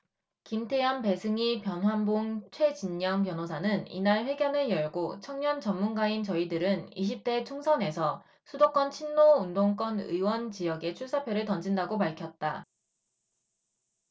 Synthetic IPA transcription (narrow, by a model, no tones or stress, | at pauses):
kimtʰe̞janpe̞sʰɯŋipjʌnɦwanboŋt͡ɕʰwe̞d͡ʑiɲːʌŋpjʌnosʰanɯnḭnaɭɸwe̞ɡjʌnɯɭjʌɭɡot͡ɕʰʌŋɲʌnt͡ɕʌnmunɡaint͡ɕʌidɯɾɯniɕ̬ʰip̚t͈e̞t͡ɕʰoŋsʰʌne̞sʰʌ | sʰudok͈ʌnt͡ɕʰinːoundoŋk͈ʌnɯ̰jwʌnt͡ɕijʌɡe̞t͡ɕʰuɭs͈ʰapʰjʌɾɯɭtʌnd͡ʑindaɡopaɭkʰjʌt̚t͈a